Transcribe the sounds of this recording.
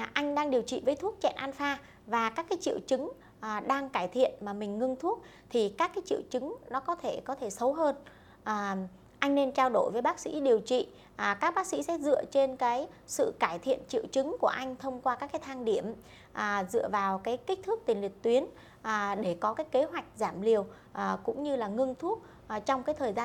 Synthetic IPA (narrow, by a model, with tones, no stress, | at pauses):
ʔa˧jŋ̟ɗaː˧ŋɗi˨˩əwt͡ɕḭ˧˨vəː˨˦jt̪ʰu˦˥ək̚t͡ɕɛ̰˧˨nʔaː˧nfaː˧ | vaː˨˩kaː˦˥kːaː˨˦jt͡ɕḭ˧˨əwt͡ɕɨ˨˦ŋː˨˩ | ɗaː˧ŋkaː˧˩jt̪ʰḭ˧˨ənmaː˨˩mï˨˩ŋ̟ŋɨ˧ŋt̪ʰu˦˥ək̚ | t̪ʰi˨˩kaː˦˥kːaː˨˦jt͡ɕḭ˧˨əwt͡ɕɨ˨˦ŋnɔ˨˦kɔ˨˦t̪ʰe˧˩kɔ˨˦t̪ʰe˧˩sə˨˦wɦəː˧n | ʔː | ʔa˧jŋne˧nt͡ɕaː˧wɗo˧˩jvəː˨˦jɓaː˦˥k̚sḭ˧˥ɗi˨˩əwt͡ɕḭ˧˨˩ | kaː˦˥k̚ɓaː˦˥k̚sḭ˧˥sɛ̰˧˥zɨ̰˧˨ət͡ɕe˧nkaː˨˦jsɨ̰˧˨kaː˧˩jt̪ʰḭ˧˨ənt͡ɕḭ˧˨əwt͡ɕɨ˨˦ŋku˧˩əʔa˧jŋ̟t̪ʰə˧wŋ͡mkwaː˧kaː˦˥kːaː˨˦jt̪ʰaː˧ŋɗi˧˩əm | ʔːzɨ̰˧˨əvaː˨˩wkaː˨˦jki˦˥k̟̚t̪ʰɨ˦˥kt̪ï˨˩ŋli˨˩t̪wi˨˦ən | ʔːɗe˧˩kɔ˨˦kaː˨˦jke˨˦ɦwa˨˩jk̟̚zaː˧˩mli˨˩əw | ʔkʊ̰˧˥ŋ͡mɲɨ˧laː˨˩ŋɨ˧ŋt̪ʰu˦˥ət̚ː | t͡ɕɔ˧wŋ͡mkaː˨˦jt̪ʰəː˨˩jzaː˧